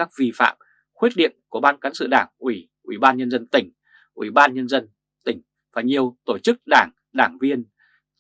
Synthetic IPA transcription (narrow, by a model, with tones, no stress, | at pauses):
aː˦˥k̚vi˨˩fa̰ː˧˨m | xwi˦˥t̚ɗḭ˧˨ənku˧˩əɓaː˧nka˨˦sɨ̰˧˨ɗaː˧˩ŋʔwi˧˩ | ʔwḭ˧˩ɓaː˧nɲə˧nzə˧nt̪ï˧˩ŋ̟ | ʔwḭ˧˩ɓaː˧nɲə˧nzə˧n | t̪ï˧˩ŋ̟ | vaː˨˩ɲi˨˩əwt̪o˧˩t͡ɕɨ˦˥k̚ɗaː˧˩ŋ | ɗaː˧˩ŋvi˧ən